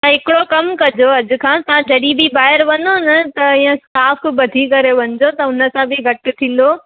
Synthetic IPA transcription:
t̪ɐɦɪkɪɽokɐmkɐd͡ʑoɐd͡ʑʊ̆kʰãːt̪ɐãd͡ʑɐɗibʱibaːɦɪəɾʋɐnonɐt̪ɐĩːə̃sʈaːf̆bɐd̪ʱikɐɾeʋɐɲɪd͡ʑot̪ɐʊnə̆sãbɪɡʱɐʈɪ̆t̪ʰĩːn̆d̪o

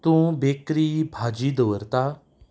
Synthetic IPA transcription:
t̪ũːbekɾibʱad͡ʑiːd̪əʋəɾt̪a

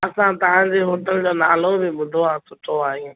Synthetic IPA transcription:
ɐsãt̪ɐʋ̤ãd͡ʑeɦoːʈəld͡ʑoːnaːlõbɪɓʊd̪ʱoãːsʊʈʰoaːɦijũː

